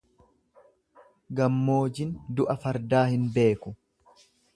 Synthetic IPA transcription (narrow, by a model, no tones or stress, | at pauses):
ɡɐmːo̞ːd͡ʒɪnd̪ʊʔɐfɐɾd̪aːhɪnbe̞ːkʊ